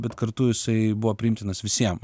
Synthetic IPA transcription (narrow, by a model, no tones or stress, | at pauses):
bʲɛt̪kɐɾt̪ʊjɪsɐɪbuʋoːpʲɾʲɪɪmʲt̪ʲɪnɐsʋʲɪsʲiɛm